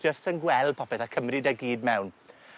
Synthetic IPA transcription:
d͡ʒəstənɡwɛlˠpʰɔpɛθakʰəmrɨdɛɡiːd̚mɛwn

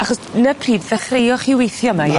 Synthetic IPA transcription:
aχɔsnəpʰriːdðəχrejɔχiwejθjɔmaj

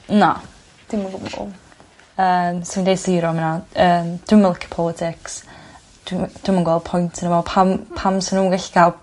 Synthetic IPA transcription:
na̰ | d̥ɪmaɡʊm̰ɡʊ̰ | əːmsɪmindejsiːɾɔmənaəːmd̥wɪməlˠɪkʰə̥pʰɔlˠɪtʰɪks | d̥wd̥wɪmanŋɡwɛl̚ˠpʰɔjntʰənəvɔlˠpʰampʰamsɪnuːəŋɡɛɬi̥ɡʰalˠ

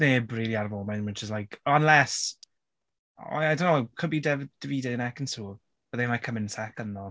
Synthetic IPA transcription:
neːbriːliarvɔːmɛnməd͡ʒəs̬tlajkʰɔnlɛs | ajdõnkʰʊbidɛvd̥əviːdenɛkənsuː | bəðemakʰəmɪnsakənɔ

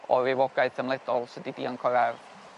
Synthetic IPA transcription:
ɔ̰ɾɪwɔɡajtʰəmlˠɛd̥ɔlˠsədidiankʰɔɾɛr

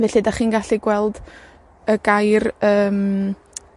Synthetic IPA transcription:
vɛɬidaχiːnɡaɬiɡwɛlˠd | əɡajrəːm

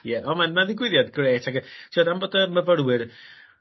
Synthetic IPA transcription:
jɛʔɔmanmaðɪɡwɪðjadɡreːtʰakɡtʰiɔdamboːdəməvəɾwɨr

